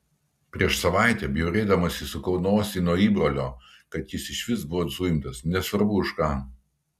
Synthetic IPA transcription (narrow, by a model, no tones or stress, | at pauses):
pʲɾʲiɛʃsɐʋɑˑɪt̪ʲɛːbʲjuɾʲeːd̪ɐmɐsʲɪsʊkɒʊnoːsʲiːnuɔiːbɾoːlʲoː | kɐt̪jɪsɪʃʲʋʲɪsbʊʋoːsujɪmt̪ɐsnʲɛsʋɐɾbʊɪʃkɑː